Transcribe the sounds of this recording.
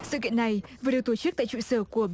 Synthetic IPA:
sɨ̰˧˨kḭ˧˨əna˨˩jvɨː˨˩˦ɗi˨əwt̪o˧˩t͡ɕɨ˦˥k̪̚a̰ː˧˨jt͡ɕṵ˧˨səː˧˩ku˧˩əɓ

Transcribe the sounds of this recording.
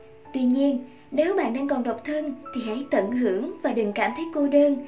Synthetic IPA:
t̪wi˧ɲi˧ən | ne˨˦wɓa̰ː˧˨nɗaː˧ŋkɔ˨˩nɗə˨˩wk͡p̚t̪ʰɨ˧nt̪ʰi˨˩ɦa̰˧˥˦jt̪ə̰˧˩nɦɨ˧˩əŋvaː˨˩ɗɨ˨˩ŋkaː˧˩mt̪ʰə˨˦jko˧ɗəː˧n

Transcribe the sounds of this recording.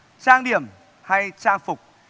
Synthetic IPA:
t͡ɕaː˧ŋɗi˨˧˩əm | ha˧jt͡ɕaː˧ŋfʊ˨˩k͡p̚

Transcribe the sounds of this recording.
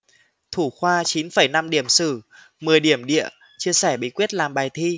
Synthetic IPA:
t̪ʰu˧˩xwaː˧t͡ɕi˨˦nfə˧˩jna˧mɗi˧˩əmsɨ˧˩ | mɨ˨˩əjɗi˧˩əmɗḭ˧˨ə | t͡ɕi˧əsɛ˧˩ɓi˨˦kwi˦˥ət̚laː˨˩mɓaː˨˩jt̪ʰi˧

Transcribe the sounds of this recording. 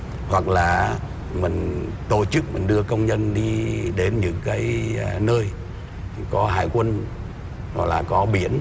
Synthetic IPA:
hwa˨˩k̚laː˨˩ | mï˨˩ŋ̟ | t̪o˧˩t͡ɕɨ˦˥k̚mï˨˩ŋ̟ɗɨ˧əkə˧wŋ͡mɲə˧nɗi˧ɗe˨˦nɲɨ̰˧˥ŋkaː˨˦jnəː˧j | kɔ˨˦ɦa̰ː˧˨jkwə˧n | zɔ̰˨˩jlaː˨˩kɔ˨˦ɓi˧˩˥ən

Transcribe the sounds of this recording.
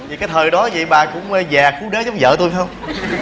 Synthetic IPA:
vi˨˩kaː˨˦jt̪ʰəː˨˩jɗɔ˨˦zḭ˧˨ɓaː˨˩kʊ̰˧˥wŋ͡mzaː˨˩xu˨˦ɗe˨˦za˨˦wŋ͡mzə̰ː˧˨t̪u˧jfŋ͡m

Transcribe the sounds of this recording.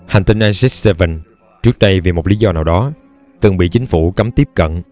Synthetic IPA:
ha˨˩ŋ̟t̪ï˧nʔaː˧jzɛ˦˥t̚se˧və˨˩n | t͡ɕɨ˦˥ək̚ɗə˧jvi˨˩mo˨˩t̚li˨˦zɔ˧naː˨˩wɗɔ˨˦ | t̪ɨ˨˩ŋɓḭ˧˨t͡ɕi˨˦ŋ̟fu˧˩ka˨˦mt̪i˦˥əp̚kə̰˧˨n

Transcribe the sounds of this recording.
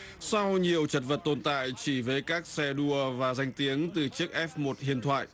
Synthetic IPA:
sa˧wɲi˨˩əwt͡ɕə˨˩t̚və˨˩t̚t̪o˧˩nt̪a̰ː˧˨jt͡ɕi˧˩vəː˨˦jkaː˦˥k̚sɛ˧ɗu˧əvaː˨˩za˧jŋ̟t̪i˨˦əŋt̪ɨ˨˩t͡ɕɨ˦˥ək̚ʔɛ˦˥p̚mo˨˩t̚hḭ˧˨ənt̪ʰwa̰ː˧˨j

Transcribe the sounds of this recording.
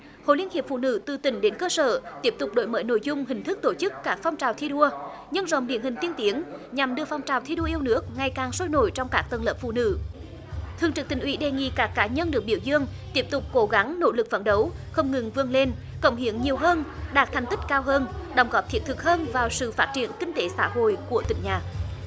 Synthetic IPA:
ho̰˧˨˦li˧ənhi˨˩əp̚fṵ˧˨nɨ̰˧˥t̪ɨ˨˩t̪ï˧˩˦ŋ̟ɗe˨˦nkəː˧səː˧˩t̪i˦˥əp̚t̪ʊ˨˩k͡p̚ɗo̰˧˥jmə̰ː˧˨˩jno̰˧˨jzʊ˧ŋ͡mhï˨˩ŋ̟t̪ʰɨ˦˥k̚t̪o˧˩t͡ɕɨ˦˥kːaː˦˥k̚fɔ˧wŋ͡mt͡ɕaː˨˩wt̪ʰi˧ɗu˧ə | ɲə˧nzə̰˧˨wŋ͡mɗḭ˨˧˩ənhï˨˩ŋ̟t̪i˧ənt̪i˨˦əŋɲa˨˩mɗɨ˧əfɔ˧wŋ͡mt͡ɕaː˨˩wt̪ʰi˧ɗu˧əʔi˧əwnɨ˦˥ək̚ŋa˨˩jkaː˨˩ŋso˧jno̰˧˨jt͡ɕɔ˧wŋ͡mkaː˦˥k̚t̪ə˨˩nləː˨˩p̚fṵ˧˨nɨ̰˧˥ | t̪ʰɨ˨˩əŋt͡ɕɨ˨˩k̚t̪ï˨˩ŋ̟ʔwi˨˦ɗe˨˩ŋḭ˧˨kaː˦˥kːaː˨˦ɲə˧nɗɨ˨˩ək̚ɓi˧˩əwzɨ˧əŋt̪i˦˥əp̚t̪ʊ˨˩k͡p̚ko˨˦ɣa˨˦ŋno̰˧˥lɨ˨˩k̚və̰˧˩nɗə˨˦wxə˧wŋ͡mŋɨ˨˩ŋvɨ˧əŋle˧n | kə̰˧˩wŋ͡mhḭ˧˦əŋɲi˨˩əwɦəː˧nɗaː˨˦˩t̚t̪ʰɛ˨˩jŋ̟t̪ï˦˥k̚kaː˧wɦəː˧nɗə˧˩wŋ͡mɣɔ˨˦˥p̚t̪ʰi˨˥ət̚t̪ɨ˨˩k̚həː˧nvaː˨˩wsɨ̰˧˨faː˦˥t̚t͡ɕi˧˩˨ənkï˧ŋ̟t̪e˨˦sa̰ː˧˥ɦo̰˧˨jku˧˩ət̪ï˧˩ŋɲaː˨˩

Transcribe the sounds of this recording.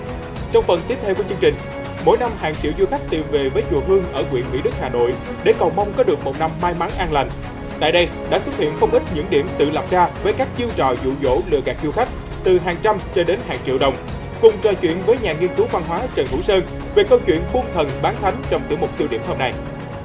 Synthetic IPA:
t͡ɕɔ˧wŋ͡mfə˨˩nt̪i˦˥əp̚t̪ʰe˧wkət͡ɕɨ˧əŋt͡ɕï˨˩ŋ̟ | mo̰˧˥jna˧mhaː˨˩ŋt͡ɕḭ˧˨əwzu˧xa˦˥jk̟̚t̪i˨˩mve˨˩vəː˨˦jt͡ɕṵ˧˨əɦɨ˧əŋʔəː˧˩kwḭ˧˨ənmḭ˧˥ɗɨ˦˥k̚haː˨˩no̰˧˨j | ɗe˧˩kɔ˨˩wma˧wŋ͡mkɔ˨˦ɗɨ˨˩ək̚mo˨˩t̚na˧mːaː˧jmaː˨˦ŋʔaː˧nla˨˩jŋ̟ | t̪a̰ː˧˨jɗə˧j | ɗa̰ː˧˥swə˦˥t̚hḭ˧˨ənxə˧wŋ͡mʔi˦˥t̚ɲɨ̰˧˥ŋɗḭ˧˩əmt̪ɨ̰˧˨lə˨˩p̚zaː˧vəː˨˦jkaː˦˥k̚t͡ɕi˧əwt͡ɕɔ̰˧˨zṵ˧˨zo̰˧˥lɨ̰˧˨ɣaː˨˩k̚zu˧xa˦˥jk̟̚ | t̪ɨ˨˩ɦaː˨˩ŋt͡ɕa˧mt͡ɕɔ˧ɗe˨˦nɦaː˨˩ŋt͡ɕḭ˧˨əwɗə˨˩wŋ͡m | kʊ˨˩ŋ͡mt͡ɕɔ˨˩t͡ɕwḭ˧˨ənvəː˨˦jɲaː˨˩ŋi˧ənkɨ˨˦wva˧nɦwaː˨˦t͡ɕə˨˩nɦṵ˧˥səː˧n | ve˨˩kə˧wt͡ɕwḭ˧˨ənfu˧ŋt̪ʰə˨˩nɓaː˨˦nt̪ʰa˨˦jŋ̟t͡ɕɔ˧wŋ͡mt̪ɨ̰˧˩əmo˨˩t̪i˧wɗi˧˩əmhəː˧mna˨˩j

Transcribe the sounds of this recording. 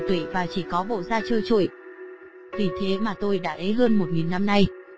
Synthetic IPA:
t̪wḭ˧˩vaː˨˩t͡ɕi˧˩kɔ˨˦ɓo̰˧˨zaː˧t͡ɕəː˧jt͡ɕṵ˧˨j | vi˨˩t̪ʰe˨˦maː˨˩t̪o˧jɗa̰ː˧˥ʔe˨˦ɦəː˧nmo˨˩t̚ŋi˨˩nːa˧mna˧j

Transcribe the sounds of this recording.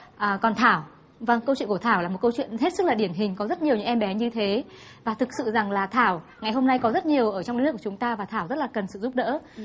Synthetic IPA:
ʔəː˨˩kɔ˨˩nt̪ʰaː˧˩w | və˧˩ŋkə˧t͡ɕḭ˧˨nku˧˩t̪ʰaː˧˩wlaː˨˩mo˨˩t̚kə˧wt͡ɕwḭ˧˨ənhe˦˥t̚sɨ˦˥k̚laː˨˩ɗi˧˩ənɦï˨˩ŋ̟kɔ˨˦zə˦˥t̚ɲi˨˩əwɲɨ̰˧ŋʔɛ˧mɓɛ˨˦ɲɨ˧t̪ʰe˨˦ | vaː˨˩t̪ʰɨ˨˩k̚sɨ̰˧˨za˨˩ŋlaː˨˩t̪ʰaː˧˩w | ŋa˨˩jɦo˧mna˧jkɔ˨˦zə˦˥t̚ɲi˨˩əwʔəː˧˩t͡ɕɔ˧ŋ͡mɗkːt͡ɕŋ͡mt̪aː˧vaː˨˩t̪ʰaː˧˩wzə˦˥t̚laː˨˩kə˨˩nsɨ̰˧˨zu˦˥p̚ɗə̰ː˧˥

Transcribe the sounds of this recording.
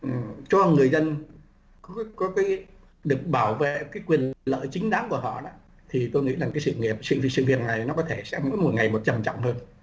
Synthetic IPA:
ʔt͡ɕɔ˧ŋɨ˨˩əjzə˧n | kɔ˨˦kɔ˨˦kaː˨˦j | ɗɨ˨˩ək̚ɓaː˧˩wvḛ˧˨kaː˨˦jkwi˨˩ənnlə̰ː˧˨jt͡ɕï˨˦ŋ̟ɗaː˨˦ŋku˧˩əɦɔ̰˧˨ɗɔː˨˦ | t̪ʰi˨˩t̪o˧jŋḭ˧˥laː˨˩kaː˨˦jsɨ̰˧˨ŋi˨˩əp̚sɨ̰˧˨˩sɨ̰˧˨vi˨˩ət̚na˨˩jnɔ˨˦kɔ˨˦t̪ʰe˧˩sɛ̰˧˥mṵ˧˥jmo˨˩ŋa˨˩jmo˨˩t̚t͡ɕə˨˩mt͡ɕɔ̰˧˨wŋ͡mhəː˧n

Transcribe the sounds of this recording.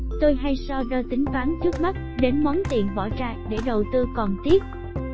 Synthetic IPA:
t̪o˧jɦa˧jsɔ˧zəː˧t̪ï˨˦ŋ̟faː˨˦nt͡ɕɨ˦˥k̚ma˦˥t̚ɗe˨˦nmɔ˨˦nt̪ḭ˧˨˩ənɓɔ̰˧˩t͡ɕa̰ː˧˨jɗe˧˩ɗə˨˩wt̪ɨ˧kɔ˨˩nt̪i˦˥ət̚

